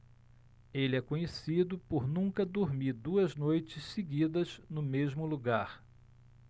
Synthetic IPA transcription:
elɪɛkõɲesid̪ʊpoɾnũkɐd̪oɾmiɾd̪uɐznojt͡ʃɪsseɡid̪ɐz̥nʊmezmʊluɡaɾ

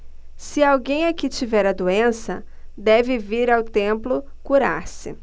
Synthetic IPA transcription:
sɪawɡẽj̃akit͡ʃivɛɾɐd̪uẽsɐ̰ | d̪ɛvɪviɾawt̪ẽmplʊ | kuɾaɾsɪ

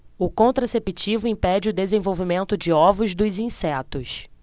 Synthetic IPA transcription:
ʊkõnt̪ɾasepit͡ʃivʊĩpɛd͡ʒɪʊd̪ezẽvowvimẽnt̪ʊd͡ʒɪɔvʊzd̪ʊzĩsɛt̪ʊs

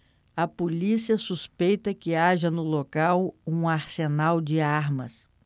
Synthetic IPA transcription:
ɐpolisiɐsuspejt̪ɐkɪaʒɐnʊlokawũaɾsenawd͡ʒɪaɾmɐ̰s

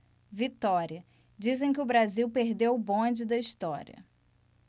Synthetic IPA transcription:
vit̪ɔɾiɐ | d͡ʒizẽj̃kɪʊbɾaziwpeɾd̪ewʊbõd͡ʒɪd̪ɐist̪ɔɾḭɐ̰

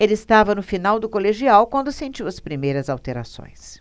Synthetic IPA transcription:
elɪːst̪avɐnʊfinawd̪ʊkoleʒiawkwɐ̃nd̪ʊsẽnt͡ʃiwɐspɾimejɾɐzawt̪eɾa̰sõ̰j̃s

